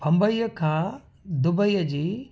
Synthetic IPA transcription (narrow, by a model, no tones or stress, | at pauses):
bʱɐ̃mbəiːəkʰãː | d̪ʊbəijəd͡ʑiː